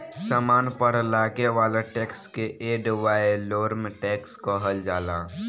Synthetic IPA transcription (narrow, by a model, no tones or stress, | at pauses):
saːmaːnpəɾlaːɡeʋaːlaʈeːkskeʔeːɖʋaːeloːɾmeʈeːkskəɦəld͡ʒaːlaː